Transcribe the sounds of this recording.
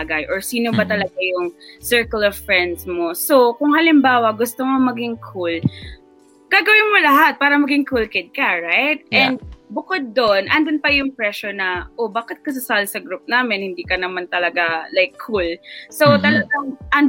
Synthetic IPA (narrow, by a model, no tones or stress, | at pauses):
aɡɐjʔɔɹsiːnobɐt̪ɐlɐɡajʊŋsɛɹkɐlɔvfɹɛnd̪smosokʊŋhɐlɪmbaːwɐɡʊst̪omomɐɡɪŋkʰul | ɡ̥aːɡɐwɪnmolɐɦat̪̚paːɾɐmɐɡɪŋkulkɪd̪̚kɐɹajt̪̚ʔɛnd̪bʊkod̪̚ːonʔɐnd̪ʊnpɐjʊŋpɹɛʃonɐʔobaːkɪt̪̚kɐs̬ʊsaːlsɐɡɾup̚naːmɪnhɪnd̪iːkɐnɐmant̪ɐlɐɡalajkʰːulso̞t̪ɐlɐɡaʔɐn